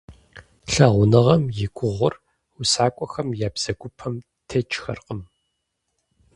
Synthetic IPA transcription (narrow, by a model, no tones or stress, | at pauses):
ɬɐʁʷʊnɨʁɐmjɪɡʷʼʊʁʷʊr | ʊsaːkʷʼɔxɐmjaːbz̥ɐɡʷʊpʰɐm | tʰɐt͡ʃʼxɐ̰rqʼəm